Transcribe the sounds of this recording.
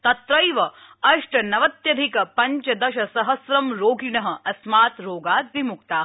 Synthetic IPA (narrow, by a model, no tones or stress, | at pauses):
t̪ɐt̪ɾɐjʋɐ | ɐʂʈɐnɐʋɐt̪jɐd̪ʱikɐpɐɲt͡ʃɐd̪ɐʃɐsɐɦɐsɾɐmɾoːɡinɐɦɐ̆ʔɐsmaːt̪ɾoːɡaːt̪ʋimuk̚t̪aː